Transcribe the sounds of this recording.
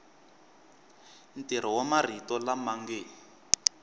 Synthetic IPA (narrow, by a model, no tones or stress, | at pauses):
n̩tiɾ̤ɔwamar̤itɔlamaŋɡe